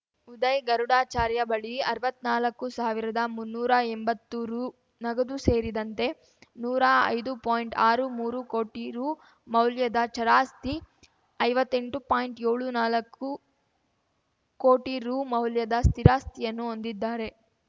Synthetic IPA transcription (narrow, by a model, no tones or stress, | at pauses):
ud̪ɐjɡɐɾuɽaːt͡ʃaːɾjɐbɐɭiɐɾʋɐt̪ːnaːlɐkːusaːʋiɾɐd̪ɐmunːuːɾɐɛmbɐt̪ːuɾuː | nɐɡɐd̪use̞ːɾid̪ɐnt̪e̞ | nuːɾaɐ̰jd̪upaːjɳʈaːɾumuːɾuko̞ːʈiɾuː | mɐwljɐd̪ɐt͡ʃɐɾaːst̪i | ɐjʋɐt̪ːe̞ɳʈupaːjɳʈeːɭunaːlɐkːu | ko̞ːʈiɾuːmɐwljɐd̪ɐst̪iɾaːst̪ijɐnːuond̪id̪ːaːɾe̞